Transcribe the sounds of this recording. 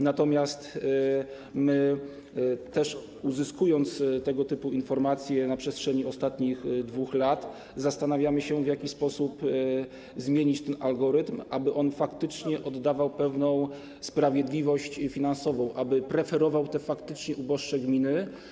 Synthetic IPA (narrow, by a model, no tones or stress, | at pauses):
nat̪ɔmʲjast̪ | mɘ | t̪ɛʂ | uzɘskujɔnt̪st̪ɛɡɔt̪ɘpuinfɔɾmat̪sʲjɛnapʂɛstʂɛɲiɔst̪at̪ɲixd̪vuxlat̪ | zast̪anavʲjamɘɕɛvʲjakʲispɔsup | zmʲjeɲit͡ɕt̪ɛnalɡɔɾɘt̪mʔabɘʔɔnfakt̪ɘt͡ʂɲɛʔɔd̪ːavawpɛvnɔ̃w̃ | spɾavʲjɛd̪lʲivɔɕt͡ɕfʲinansɔvɔ̃w̃ʔabɘpɾɛfɛɾɔvawt̪ɛfakt̪ɘt͡ʂɲɛʔubɔʂt͡ʂɛɡmʲinɘ